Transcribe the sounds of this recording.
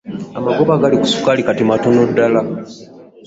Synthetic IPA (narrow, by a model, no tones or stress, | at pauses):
amaɡoβaɡaliku̥su̥kalikatimatunudːala